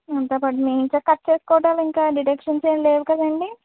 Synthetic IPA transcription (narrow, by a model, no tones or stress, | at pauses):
ɐnt̪ɐbɐʈmeːiɲt͡ʃɐkɐt̪ːt͡ʃe̞ːsu̥kɔːɽaːliŋkaːɖiʈekʂɐnseːnleːʋukɐd̪ɐɳɖi